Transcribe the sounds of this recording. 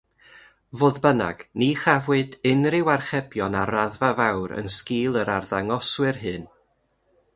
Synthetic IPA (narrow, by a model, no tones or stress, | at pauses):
voːðbəna̰ɡ̥niχavwɨdɪnrɪwarχɛbjɔnaraðvavawɾə̰nskiːlˠəɾarðaŋɔswɨrɦɨːn